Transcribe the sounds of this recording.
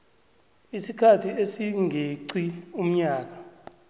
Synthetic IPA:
isikʰatʰiesiŋʱeǀium̩ɲaːk̬a

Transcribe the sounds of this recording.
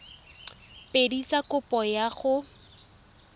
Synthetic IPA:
pʼedit͡sʼakʊpʼɔjaχʊ

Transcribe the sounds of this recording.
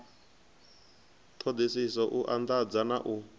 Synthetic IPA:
t̪ʰɔd̪isisɔʔuʔand̪ad͡zanaʔu

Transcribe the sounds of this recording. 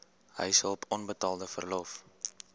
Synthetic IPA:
ɦə̰jsəlˠpɔnbətɑːlˠdəfərlɔf

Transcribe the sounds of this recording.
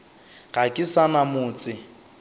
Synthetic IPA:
ɣakʼɪsanamʊːt͡sʼɪ

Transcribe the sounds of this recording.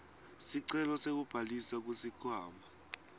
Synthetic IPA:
siǀɛlɔsek̬ub̥ʱalisak̬usikʰaːmbʱa

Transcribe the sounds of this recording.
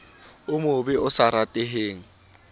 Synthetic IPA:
ʊmʊbɪʊsaɾatʼɪɦeːŋ̩

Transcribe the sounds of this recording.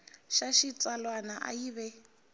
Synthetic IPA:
ʃaʃit͡sʼalwanaʔa̰jiβɛ

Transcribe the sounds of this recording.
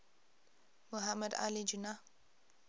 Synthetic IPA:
muɦamːəd̪a̰lid͡ʒuna

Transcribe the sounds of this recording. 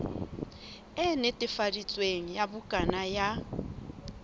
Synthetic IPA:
ɛnetʼɪfadit͡sʼweŋ̩jabʊkʼanaja

